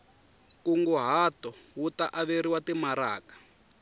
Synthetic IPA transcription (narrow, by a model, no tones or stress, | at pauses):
kuŋɡɔɦatɔwutaʔaβeɾiwatimaɾa̰ːkḁ